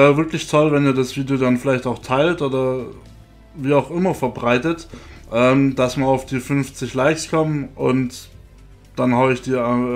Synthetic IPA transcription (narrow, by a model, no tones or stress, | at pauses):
ʔɛːvɪɐklɪçtʰɔlvɛniːɐdasv̥iːdeodanfɪlaɪçtaʊxtʰaɪltʔoːdɐ | viːaʊxʔɪmɐfɛɐbʁaɪtətʔɛːmd̥asmaːaʊfd̥iːfʏnft͡sɪçlaɪkskʰɔmənʔʊ̰nt | d̥anhaːbəɪçd̥iːɐ